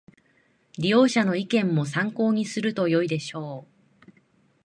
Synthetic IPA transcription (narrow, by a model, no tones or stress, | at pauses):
ɾʲijo̞ːɕano̞ikẽ̞mːo̞s̬ãŋko̞ːɲ̟isɨɾɯ̟t̪o̞jo̞id̪e̞ɕo̞ː